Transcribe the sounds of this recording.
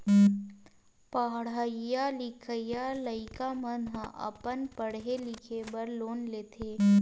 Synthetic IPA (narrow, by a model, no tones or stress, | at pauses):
pəɦɽajalɪkʰəjaləɪkamənɦãʔɐ̰pənpəɽɦelɪkʰebəɾloːnleːt̪ʰeː